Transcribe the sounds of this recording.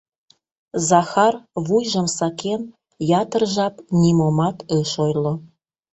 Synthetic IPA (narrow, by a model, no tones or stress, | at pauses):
zɑxɑrβujʒə̆msɑkʰen | jɑt̪ə̆rʒɑpnʲimomɑt̪ɤʃojlo